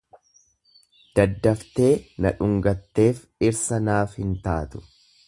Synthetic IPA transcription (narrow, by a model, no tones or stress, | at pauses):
d̪̥ɐd̪ːɐft̪e̞ːnɐᶑʊŋɡɐt̪ːe̞ːf | ɪɾsɐnaːfhɪnt̪aːt̪ʊ̥